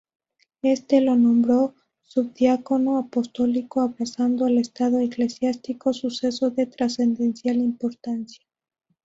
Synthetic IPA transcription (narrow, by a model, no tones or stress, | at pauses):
e̞st̪e̞lo̞nõ̞mbɾo̞ | sub̚ðjako̞no̞apo̞st̪o̞likoaβɾasand̪oale̞st̪að̞o̞ekle̞sjast̪iko̞suse̞so̞ðe̞t̪ɾase̞nd̪e̞nsjalimpo̞ɾt̪ansjḁ